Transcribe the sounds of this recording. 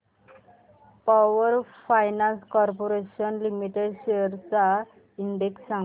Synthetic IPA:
paʋəɾfajnanskɔɾpoɾeɕənlimiʈeɖɕeəɾt͡sa | iɳɖeksːa

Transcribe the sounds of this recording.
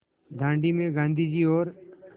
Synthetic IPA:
d̪ʱãːɳɖimẽɡãːnd̪ʱid͡ʒiɔːɾ

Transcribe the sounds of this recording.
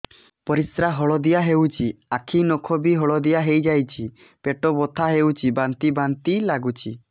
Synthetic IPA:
pɔɾisɾaɦɔɭɔd̪ijaɦewt͡ʃʰiakʰinɔkʰɔbiɦɔɭɔd̪ijaɦejd͡ʒajt͡ʃʰi | peʈɔbɔt̪ʰaɦewt͡ʃʰibant̪ibant̪ilaɡut͡ʃʰi

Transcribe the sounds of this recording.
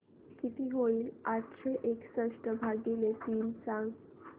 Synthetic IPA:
kit̪ʰiɦoilaʈʃeʔeksəʂʈəbʱaɡilet̪iːnsãŋɡ

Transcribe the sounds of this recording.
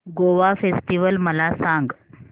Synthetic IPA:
ɡoʋafesʈiʋəlməlasaŋɡ

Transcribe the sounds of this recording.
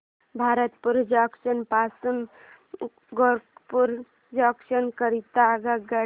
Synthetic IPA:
bʱaɾət̪puɾd͡ʒɔksənpasun | ɡopuɾ | d͡ʒəkʃənkəɾit̪aɡaɡə

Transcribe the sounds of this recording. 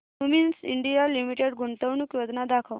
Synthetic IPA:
uminsḭɳɖijalimiʈeɽɡuɳt̪əwnukjod̪nad̪akʰəw

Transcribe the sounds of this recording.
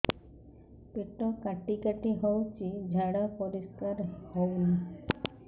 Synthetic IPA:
peʈɔkaʈikaʈiɦowt͡ʃʰid͡ʒʱaɽapɔɾiskaɾhowmni

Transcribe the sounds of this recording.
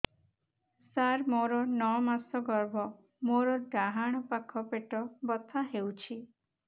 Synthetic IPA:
saɾmoɾɔnɔmasɔɡɔɾbʱɔ | moɾɔɖaɦaɽ̃ɔpakʰɔpeʈɔbɔt̪ʰaɦewt͡ʃʰi

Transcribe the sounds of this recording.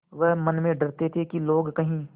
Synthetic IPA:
ʋɐɦmɐnmẽɖɐɾt̪et̪ʰekiloːɡkɐɦĩː

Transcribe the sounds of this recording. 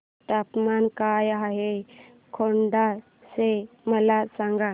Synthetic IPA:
ʈapmankajaɦe | kʰoɳɖa | se | məlasãŋɡa

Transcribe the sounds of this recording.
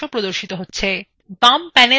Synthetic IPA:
opɾod̪oɾʃit̪oɦotːɕʰe | bampɛne

